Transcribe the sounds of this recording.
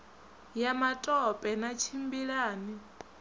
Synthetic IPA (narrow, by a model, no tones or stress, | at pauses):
jamatʼɔpʼɛnat͡ʃʰimbiɺaːni